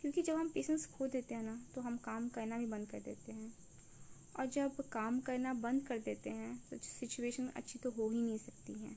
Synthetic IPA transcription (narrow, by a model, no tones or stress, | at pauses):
kjõːkid͡ʒɐbɦɐmpeːʃə̃nʈskʰold̪eːt̪eɦɛ̃nat̪oɦɐmkaːmkɐnabʱibɐ̃nd̪kɐɾd̪ḛːt̪eɦɛ̃ː | ɔːɾd͡ʒɐbkaːmkɐnabɐ̃nd̪kɐɾd̪eːt̪eɦɛ̃ːt̪o̰sɪt͡ʃueːʃənɐ̰tːʃʰit̪oɦoɦinɐɦĩsɐk̚t̪iɦɛ̰̃ː